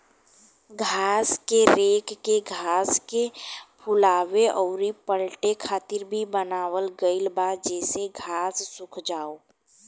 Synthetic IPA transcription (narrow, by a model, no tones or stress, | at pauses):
ɡʱaːskeɾeːkːeɡʱaːskepʰʊlaːweʔɔːɾipəɽʈekʰaːt̪ɪɾbʱibənaːwəlɡəɪlbad͡ʒɛːseɡʱaːsːʊkʰd͡ʒaːo